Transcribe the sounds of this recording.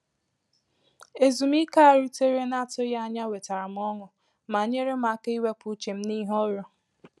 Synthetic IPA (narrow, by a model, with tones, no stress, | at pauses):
e˨zu˨m˦i˦ka˦a˨ɾu˦te˦ɾe˦na˦tʊ˦ja˦a˨˦ɲa˦we˨ta˨ɾa˨m̩˦ɔ˦ŋʊ˨ | ma˨ɲe˦ɾe˦ma˨˦ka˦i˦we˦pʊ˦t͡ʃe˨m̩˦ni˦ɦɔ˦ɾʊ˨